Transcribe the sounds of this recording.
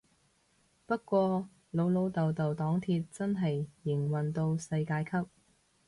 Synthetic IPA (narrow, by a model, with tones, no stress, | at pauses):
pɐ˥t̚kːʷɔː˧ | lo˨˧wlo˨˧wt̪ɐ˨wt̪ɐ˨wt̪ɔː˨˥ŋt̪ʰiː˧t̚t͡sɐ˥nɦɐ˨jːɪ˨˩ŋwɐ˨nt̪o˧wsɐ˧jkaː˧jkʰɐ˥p̚